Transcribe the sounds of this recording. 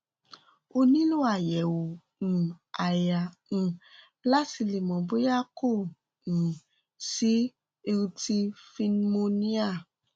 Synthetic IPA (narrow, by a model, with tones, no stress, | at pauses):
o˧nĩ˦lu˦a˨jɛ˨wõ˨ | a˨ja˨ | ñ̩˨ | la˦ti˧li˨mɔ̃˨bu˦ja˦kõ˦˨ | si˦ | e˧ɾu˧ti˧˦fi˧n˦mo˧nĩ˦a˦˨